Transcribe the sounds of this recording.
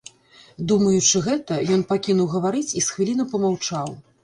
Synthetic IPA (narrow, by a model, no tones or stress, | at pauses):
d̪umɐjut͡ʂɨɣɛt̪ɐjɔnpakʲinuwɣɐvaɾɨt͡sʲisxvʲilʲinɐpɐmawt͡ʂaw